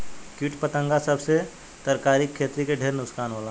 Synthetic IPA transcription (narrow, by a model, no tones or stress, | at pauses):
kɪʈpət̪ə̃ŋɡasɐbse | t̪ɐɾkaːɾikʰːeːt̪ɾikeɖʱeːɾnʊkskaːnɦoːla